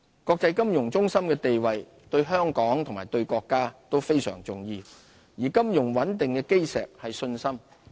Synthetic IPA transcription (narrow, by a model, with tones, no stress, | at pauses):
kɔː˧k̚t͡sɐ˧jkɐ˥mjʊ˨˩ŋt͡sʊ˥ŋsɐ˥mkɛː˧t̪e˨jwɐ˨j | t̪ɵ˧ɥɦœː˥ŋkɔː˨˥ŋt̪ʰʊ˨˩maː˨˩jt̪ɵ˧ɥkɔː˧kːaː˥t̪o˥wfe˥jsœː˨˩ŋt͡sʊ˨˩ŋjiː˧ | jiː˨˩kɐ˥mjʊ˨˩ŋwɐ˨˥nt̪ɪ˨ŋkɛː˧ke˥jsɛ̰ː˨k̚hɐ˨jsɵ˧nsɐ˥m